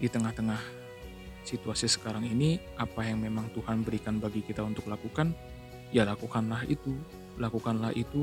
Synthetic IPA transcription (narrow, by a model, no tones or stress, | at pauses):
dit̪əŋaht̪əŋah | sit̪uasisə̥kaɾaŋiniʔapajaŋmemaŋt̪uhanbəɾikanbaɡikit̪aunt̪ʊklakukan | jalakukanlaɦḭt̪u | lakukanlahit̪u